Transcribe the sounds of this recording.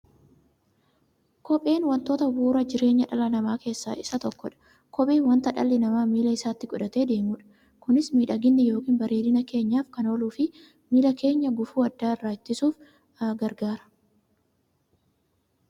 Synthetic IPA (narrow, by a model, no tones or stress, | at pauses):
kɔpʼe̞ːnwɐnt̪o̞ːt̪ɐbuːɾɐd͡ʒɪɾe̞ːɲːɐᶑɐlɐnɐmaːke̞ːsːa̰ːʔɪsɐt̪ɔkːɔᶑɐ̥ | kɔɓʼiːwɐnt̪ɐᶑɐ̰lːɪnɐmaːmiːlɐɪsaːt̪ːɪkʼɔᶑɐt̪e̞ːd̪e̞ːmuːᶑɐ̥ | kʊnɪsmiːᶑɐɡɪnːɛjo̞ːkiːnbɐɾeːlɪnɐke̞ːɲːaːfkɐno̞ːluːfɪ | miːlɐke̞ːɲːɐɡʊfuːɐd̪ːaːɪrːaːt͡ʃ̪ːɪsuːf | ɡɐɾɡaːɾɐ̥